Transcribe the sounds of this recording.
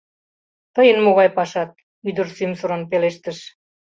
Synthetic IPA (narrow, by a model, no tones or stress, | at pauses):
t̪əjənmoɣɑjpɑʃɑt̪̚ | yd̪ərsymsoɾənpeleʃt̪əʃ